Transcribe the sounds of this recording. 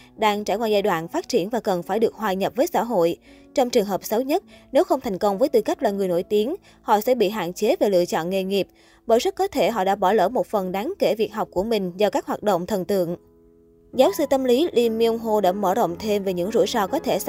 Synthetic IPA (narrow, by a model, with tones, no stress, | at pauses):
ɗaː˧ŋt͡ɕaː˧˩jkwaː˧jzaː˧jɗwa̰ː˧˨nfaː˦˥t̚t͡ɕi˧˩ənvaː˨˩kə˨˩nfaː˧˩jɗɨ˨˩ək̚hɦwaː˨˩jɲə˨˩p̚vəː˨˦jsa̰ː˧˥ɦo̰˧˨j | t͡ɕɔ˧wŋ͡mt͡ɕɨ˨˩əŋɦəː˨˩p̚sə˨˦wɲə˦˥t̚ne˨˦wxə˧wŋ͡mt̪ʰa˨˩jŋ̟kə˧wŋ͡mvəː˨˦jt̪ɨ˧˩ka˦˥k̟̚laː˨˩ŋɨ˨˩əjno˧˩jt̪i˨˦əŋ | hɔ̰˧˨sɛ̰˧˥ɓḭ˧˨ɦa̰ː˧˨nt͡ɕe˨˦ve˨˩lɨ̰˧˨ət͡ɕɔ̰˧˨nŋe˧˩ŋi˨˩əp̚ | ɓəː˧˩jz̚kːɔ˨˦t̪ʰe˧˩ɦɔ̰˧˨ɗa̰ː˧˥ɓɔ˧˩lə̰ː˧˩mo˨˩t̚fə˨˩nɗaː˨˦ŋke˧˩vi˨˩ək̚ɦa˨˩wk͡p̚ku˧˩əmï˨˩ŋ̟zɔː˧˩kaː˦˥k̚hwaː˨˩t̚ɗo̰˧˨wŋ͡mt̪ʰə˨˩nt̪ɨ̰˧˨əŋ | zaː˨˦wsɨ˧t̪ə˧mli˨˦li˧mi˧əwŋ͡mɦo˧ɗa̰ː˧˥məː˧˩zə̰˧˨wŋ͡mt̪ʰe˧mve˨˩ɲɨ̰˧˥ŋzṵ˧˥jsɔ˧kɔ˨˦t̪ʰe˧˩˧